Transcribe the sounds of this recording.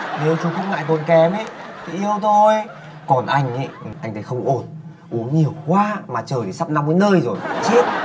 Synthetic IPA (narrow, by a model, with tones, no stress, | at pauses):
ne˨˦wt͡ɕu˨˦xə˧wŋ͡mŋa̰ː˧˨jt̪o˨˩nkɛ˨˦me˧˦t̪ʰi˨˩ʔi˧əwt̪ʰo˧˩j | kɔ˨˩nʔa˧jŋ̟ḛ˨˦jʔa˧jŋ̟ʰə˨˧˦xə˧wŋ͡mʔo˧˩n | ʔu˨˦əŋɲi˨˩əwkwaː˧˥maː˨˩t͡ɕəː˨˩jt̪i˨˩sa˦˥p̚na˧wŋ͡mkəː˨˦nəː˧jzo˨˩jt͡ɕi˦˥ət̚